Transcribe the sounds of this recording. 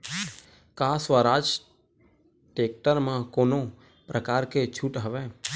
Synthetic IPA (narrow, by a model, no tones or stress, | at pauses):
kasʋaɾad͡ʒ | ʈek̚ʈəɾmãkoːno | pɾʔəkaːɾket͡ʃʰuʈɦəʋe